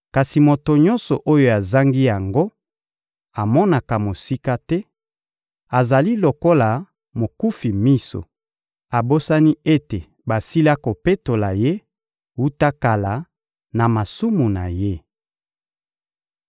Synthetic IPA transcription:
ka˨si˨mo˨to˨ɲɔ̃˦nsɔ˨ʔo˦jo˦˨a˨za˦ŋɡi˦ja˨ŋɡo˦ | a˨mɔ˦na˨ka˨mo˨si˦ka˦tɛ˦ | a˨za˨li˦lo˨ko˦la˨ | mo˨ku˦fi˨mi˦so̰˨ | a˨bo˦sa˦ni˦e˦te˨ | ba˨si˦la˦ko˨pe˦to˨la˨je˦ | wu˦ta˦ka˨la˨ | na˨ma˨su˦mu˨na̰˨je˦

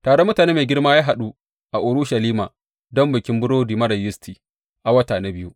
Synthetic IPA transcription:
taː˨ɽo˦mːʊ˦taː˨neː˦meː˨ɡʲɪ˦rmaː˦jaː˦ɦa˨ɗu˦ | ʔa˨ʔʊ˨ɾʊ˦ʃɐ˨liː˦maː˨ | dɔ˦mbɐ˨kʲɪ˦mbʊ˦ɽoː˦diː˨mɐ˦ɽɐ˨jɪ˦stʰiː˨ | ʔa˨wɐ˦taː˨na˦bɪ˦ju˦ʔ

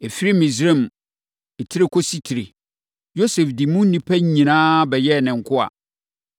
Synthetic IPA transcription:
e˨fi˦ɾi˦mĩ˨sɾẽ˦˨m | ɛ˨tʰi˦ɾe˦kʰo˦si˦tʰi˨ɾe˨ | jo˦se˨fdi˨mũ˦n˦nĩ˨pʰæ˦ɲ˦˨ɲĩ˨nãː˦bɛ˨jɛ˦˨nɪ̃˨ŋ̩˨kʰʊ˦a̰˨

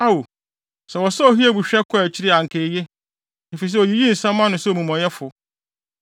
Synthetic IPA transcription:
a˦wo˨ | sɛ˨wɔ˨sɛ˦o˨hi˦ɛ˦˨bu˨ɕᶣɛ˦kʰɔ˦ɛ˨t͡ɕʰi˦ɾɪ˦a˨ŋ̩˨kʰe˨˦je˦ | e˨fi˨s̬ɛ˦o˨ji˦ji˦n̩˨sã˦mː˦ã˦nʊ̃˨so˨mũ˨m˨ɔ̃˨jɛ˦fʊ˨

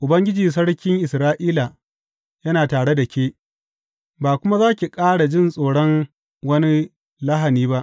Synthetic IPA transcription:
ʔʊ˨bɐ˦ŋɡʲɪ˦d͡ʒiː˨s̬ɐ˦ɽkʲɪ˦ŋʔɪ˨sɾaː˦ʔiː˦la˨ | jɐ˦naː˨taː˨ɽe˦da˨kʲeː˦ | baː˨kʷʊ˦ma˦zaː˦kʲi˨kʼaː˦ɽa˨d͡ʒɪ˦˨nsʼoː˨ɽɔ˦ŋ | wɐ˦ni˦ | la˦ɦa˨niː˦ba˦ʔ

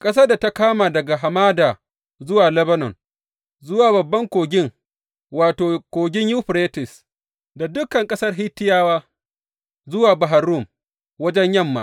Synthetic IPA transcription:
kʼɐ˦s̬aː˦da˨ta˦kaː˦maː˨dɐ˨ɡa˨ɦa˨maː˦daː˨ | zʊ˦waː˨lɛ˦bɐ˦nɔ̰˨n | zʊ˦waː˨bɐ˨bːɐ˦ŋkʷoː˨ɡʲɪ˦ŋ | waː˨toː˨kʷoː˨ɡʲɪ˦ɲjuː˦ɸɾeː˦tɪ˨s | da˨dʊ˦kɐ˨ŋkʼɐ˦sɐ˦rɦɪ˦tːɪ˦jaː˦waː˦ | zʊ˦waː˨ba˨ɦa˨ɾʊ˦˨m | wɐ˦d͡ʒɛ˦ɲjɐ˦mːa̰ː˨˦

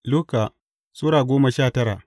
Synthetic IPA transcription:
lʊ˦ka˨ | su˦ɾaː˨ɡʷoː˦ma˨ʃaː˦˨tɐ˦ɾa̰˨ʔ

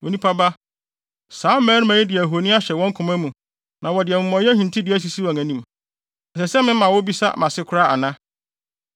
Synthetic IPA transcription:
wo˨nĩ˦pʰa˦ba˦ | saː˨˦m˦mɛ̃ː˨˦n˦mæ̃˨ɲɪ̃˦dɪ˨æ˨ɦo˨nĩ˦a˦ɕɛ˨wɔ̃˦ŋkʰʊ̃˨mæ˦mũ˨ | nã˨wɔ˨dɪ˨ɛ˨mʊ̃˨mɔ̃˨˦jɛ˦hĩ˨ntʰi˦dɪ˨æ˦s̬i˨si˦wɔ˨ŋæ̃˨nĩ˦m | ɛ˨sɛ˨sɛ˦mɪ̃˦mã˨wʊ˦bi˦sa̰˦mã˨sɪ˦kʰʊ˦ɾa˦a̰˨nã˦

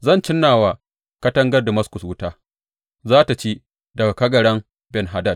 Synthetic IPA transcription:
zɐ˦˨nt͡ʃɪ˦nːaː˨waː˨ | kɐ˦tɐ˦ŋɡɐ˦rda˨mɐ˦skʊ˨swʊ˦taː˦ | zaː˦ta˨t͡ʃeː˦ | dɐ˨ɡa˨kɐ˦ɡɐ˨ɽɐ˦ŋ | bɛ˨nɦa˦dɐ˦˨d̚

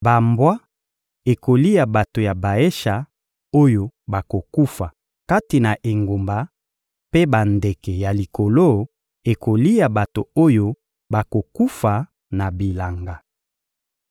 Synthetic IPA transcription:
ba˨mbwa˦ | e˨ko˨li˦ja˨ba˨to˨ja˨ba˨e˦ʃa˨ | o˦jo˦ba˨ko˨ku˦fa˨ | ka˦ti˨na˨ʔe˨ŋɡo˨mba˨ | pe˦ba˨nde˨kɛ˨ja˨li˨ko˨lo˦ | e˨ko˨li˦ja˨ba˨to˨o˦jo˦ | ba˨ko˨ku˦fa˨ | na˨bi˨la˨ŋɡa˨

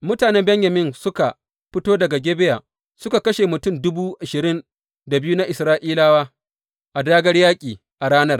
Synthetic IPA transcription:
mʊ˦taː˨nɛ˦mbɛ˦ɲja˨mɪ˦nsʊ˦ka˨ | ɸɪ˦toː˦dɐ˨ɡa˨ɡʲeː˦be˦jaː˨ | sʊ˦ka˨kɐ˦ʃe˨mʊ˨tʊ˦˨mdʊ˦buː˦ʔa˨ʃɪ˨ɾɪ˦n | da˨bɪ˦ju˦na˦ʔɪ˨sɾaː˦ʔiː˦laː˦waː˦ | ʔa˨daː˦ɡɐ˦ɽjaː˦kʲʼiː˨ | ʔa˨ɾaː˦nɐ˦r

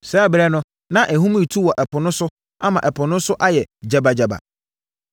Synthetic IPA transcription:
sɛ˦bɾɛ˦nʊ̃˦ | nã˦ʔɛ˨ɦũ˦m̃˦i˨tʰu˦wɔ˨ʔɛ˨pʊ˨nʊ̃˦sʊ˦ | a˦mã˨ʔɛ˨pʰʊ˨nʊ̃˦sʊ˦ʔa˦jɛ˨d͡ʑa˨ba˨d͡ʑa˨ba̰˨

